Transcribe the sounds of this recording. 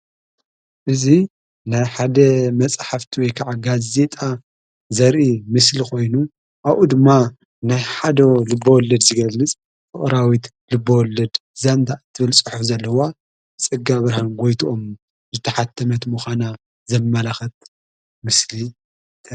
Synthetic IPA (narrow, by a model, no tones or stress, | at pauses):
ʔɨzi | najħad̪ɐmɐt͡sʼħaft̪ʰiwɔjkʰaʕaɡaze̞t̪ʼa | zɐɾʔimɨslixo̞jnu | ʔaβʔud̪ɨmːa | najħad̪ɐlɨbːɐwɔlːɐd̪zɨɡɐlːɨt͡sʼ | fʼɨχʼɾawit̪ | lɨbːɐwɔlːɐd̪zand̪ʰaʔt̪ʰːɨβɨlsʼɨħufzɐlːɐwa | t͡sʼɨɡːaβɨɾahanɡojt̪ʰuʔom | zɨt̪ʰɐħat̪ʰːɐmɐt̪muxʷana | zɐmmːɐlaxɐt̪̚ | mɨsli